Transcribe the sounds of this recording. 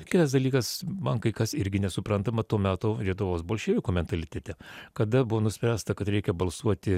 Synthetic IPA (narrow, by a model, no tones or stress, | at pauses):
kʲɪt̪ɐsd̪ɐlʲiːkɐsmɐŋkɐɪkɐsɪɾʲɡʲɪnʲɛsʊpɾɐnt̪ɐmɐt̪uːɔmʲæːt̪oːlʲiɛt̪ʊʋoːsboːlʲʃʲeːʋʲɪkuːmʲɛnt̪ɐlʲɪt̪ʲɛt̪ʲɛkɐd̪ɐbʊʋoːnʊsʲpʲɾʲæːst̪ɐkɐt̪ɾʲɛɪkʲɛbɐlˠsuɔt̪ʲɪ